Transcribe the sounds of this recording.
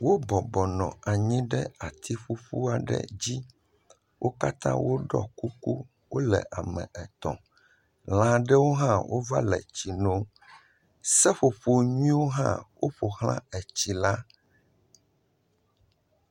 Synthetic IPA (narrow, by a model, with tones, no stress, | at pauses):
wo˦bɔ˨bɔ˨nɔ̰̃˨a˨ɲĩ˦ɖɛ˦a˨t̪ʰi˦ɸu˦ɸu˦a˨ɖɛ̰˦d͡ʑi˦ | wʔo˦ka˦t̪ã̰˦wo˦ɖɔ̰˦ku˦ku˦ | wo˦lɛ̰˨ʔa˨mɛ̰̃˨ʔɛ˨t̪ɔ̰̃˨ | l̃ã˦ɖɛ˦wo˦ɦã˦wʔo˦va˦lɛ˨t͡ɕi˨nõ˦ | sɛ˦ɸo˨ɸo˨ɲĩ˦wo˦ɦã̰˦wo˦ɸo˨hl̃ã̰˦ɛ˨t͡ɕi˨la˦